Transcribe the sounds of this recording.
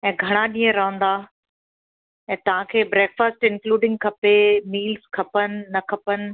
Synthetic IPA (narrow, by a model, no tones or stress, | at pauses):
ɛ̃ːɡʱɐɽ̃aɗĩːə̃ɾɐɦə̃nd̪a | ɛ̃ːt̪ɐʋ̤ãkʰeːbɾɛːkfəsʈɪ̃nkluːɖɪ̃ŋɡ̚kʰɐpemiːlzkʰɐpənɪ̆ːɐkʰɐpənɪ̆